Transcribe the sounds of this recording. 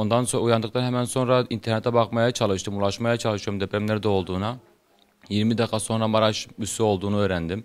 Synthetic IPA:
ond̪ɑnsoujɑnd̪ɨq̚t̪ʰɑnɦɛmɛnsonɾɑint̪ʰeɾnet̪ʰːɛbɑqmɑjɑt͡ʃʰɑlˠɯʃt̪ɯmulˠɑʃmɑjɑt͡ʃʰɑlˠɯʃt̪umd̪ɛpʰɾɛmlæɾd̪ɛolˠd̪uːnɑ | jiɾmɪd̪ɛqʰɑsonɾɑmɑɾɑʃysyolˠd̪uːnɯøjɾɛnd̪ɪm

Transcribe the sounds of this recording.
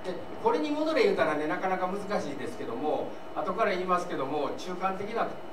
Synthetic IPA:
e | ko̞ɾe̞ɲ̟imo̞d̪o̞ɾe̞jɯ̟ːt̪aɾane̞nakanakamɯ̟zɨkaɕiːd̪e̞sɨ̥ke̞d̪o̞mo̞ | at̪o̞kaɾaiːmasɨ̥ke̞d̪o̞mo̞t͡ɕɨːkãnt̪e̞kʲinaat̪

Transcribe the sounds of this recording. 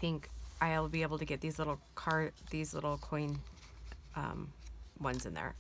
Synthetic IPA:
θɪ̃ŋkʔaɪlˠbieɪbl̩ˠtʰɨɡɛt̪̚ðizlɪɾl̩ˠkʰɑɹðizlɪ̰ɾl̩ˠkʰɔ̃ɪ̃n | ʔʌ̰̃mwʌ̃nzɨ̃nðə̰˞

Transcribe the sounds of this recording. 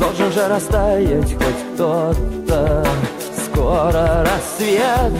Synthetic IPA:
d̪olˠʐɨnʐɨɾɐst̪ajatʲxakt̪ot̪ːə | skoɾəɾɐsvʲet̪

